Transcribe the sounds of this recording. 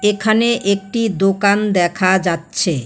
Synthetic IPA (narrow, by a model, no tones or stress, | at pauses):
ekʰaneʔek̚ʈid̪okand̪ɛkʰad͡ʑatːɕʰe